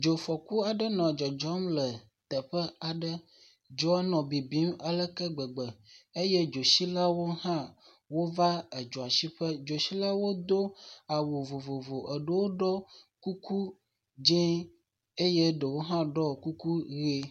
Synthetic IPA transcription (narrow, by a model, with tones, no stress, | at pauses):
d͡ʒo˨fɔ˨ku˦a˨ɖə˦nɔ̃˨a˨d͡ʒɔ˨d͡ʒɔ˦mlə˨ | t̪ə˨ɸə˦a˨ɖə˦ | d͡ʒɔ˦a˦nɔ̃˨bi˨bi˦ma˦lə˦kə˦ɡ͡bə˨ɡ͡bə˨e˦jɛ˦d͡ʒo˨si˦la˦wo˦ɦã˦ | wo˦va˦ə˨d͡ʒɔ˨a˨si˦ɸə˦d͡ʒo˨si˦la˦wo˦d̪o˦a˨wo˨vo˨vo˨vo˨ʔə˨ɖə˦wo˦ɖɔ˦ku˦ku˦ | d͡ʒɛ̃˦ | e˦jɛ˦ɖə˨wo˦ɦã˦ɖɔ˦ku˦ku˦ɣe˦